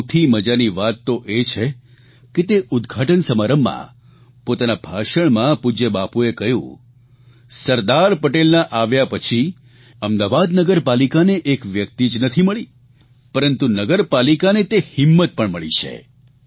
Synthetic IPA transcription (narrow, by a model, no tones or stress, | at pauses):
t̪ʰiməd͡ʒaniʋat̪ːoʔet͡ʃʰe | ket̪eʔʊd̪ɡʱaʈənsəmaɾəmːã̰ | pot̪anabʱaʃəɳmãpud͡ʒebapuekəjṵ̃ | səɾd̪aɾpəʈelnaʔaʋjapət͡ʃʰi | əmd̪aʋad̪nəɡəɾpalikaneʔekʋjək̚t̪id͡ʒnət̪ʰiməɭi | pəɾənt̪unəɡəɾpalikanet̪ehɪmːət̪̚pəɳməɭḭt͡ʃʰḛ